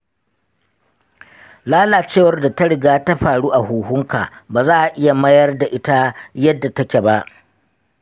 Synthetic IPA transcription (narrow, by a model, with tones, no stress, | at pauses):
laː˦laː˨t͡ʃeː˦˨wɐ˦rda˨ta˦ɽɪ˨ɡaː˦ta˦ɸaː˨ɽuː˦ʔa˨huː˨hʊ˦ŋka˨baː˨zaː˦ʔa˨ʔɪ˦ja˨mɐ˦jɐ˦rda˨ʔɪ˦ta˦jɐ˦dːa˨tɐ˦kʲe˨ba˦ʔ